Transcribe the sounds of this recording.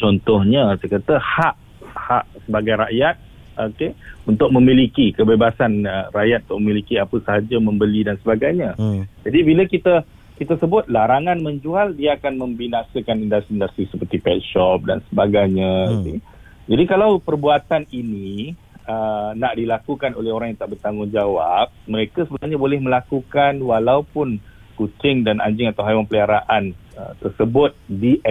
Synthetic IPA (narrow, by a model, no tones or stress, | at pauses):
t͡ʃɔnt̪ɔhɲəsəkat̪əhaʔ | haʔsəbaɡajɾa̰ʔjat̪̚ | ʔokeunt̪ʊk̚mə̃mĩlikikəbebasanəraʔjat̪̚unt̪ʊʔməmilikiapəsəɦad͡ʒamə̃mbəlidansəbaɡajɲãd͡ʒadibiləkit̪ə | kit̪əsəbʊt̪̚laɾaŋanmə̃ɲd͡ʒualdiaakanmə̃mbinasəkanindast̪indast̪ɾisəpərt̪ipɛt̪̚ʃɔp̚da̰nsəbaɡajɲaɡit̪u | d͡ʒadikalawpərbuat̪anini | ənaʔdilakukanolɛhoɾaŋjaŋt̪aʔbərt̪aŋɡʊŋd͡ʒawap̚məɾekasəbənarɲabolɛhmə̃lakukanwalawpʊn | kut͡ʃɪŋdana̰ɲd͡ʒɪŋat̪awɦajwaŋpəliaɾaʔanə̰t̪ərsəbʊt̪̚di